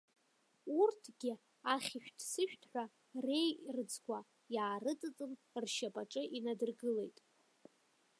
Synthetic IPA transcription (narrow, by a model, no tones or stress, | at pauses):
urtʰɡ̥ʲɪ | aχʲɪʃᶣdʰsɨʃᶣtʰħʷᶣa | re̞jrɨd͡zɡʷa | jaːrɨt͡sʼɨt͡sʼɨm | rʃapʼaʈ͡ʂʼɨʔinadɨrɡɨle̞jtʼ